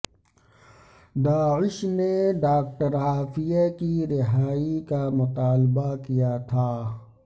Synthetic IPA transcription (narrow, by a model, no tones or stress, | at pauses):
d̪aːɪʃneɖaːk̚ʈəɾɦaːfijakiɾɪɦaːikamʊt̪aːlbakijat̪ʰaː